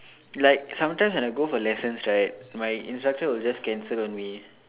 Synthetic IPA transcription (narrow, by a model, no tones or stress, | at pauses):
laɪk̚sãmtãɪ̃mswɛ̃naɪɡofɔlɛsə̃nsɹaɪt̚majḭ̃nstɹak̚təwɪld͡ʒaskɛ̃nsəlɔ̃nmi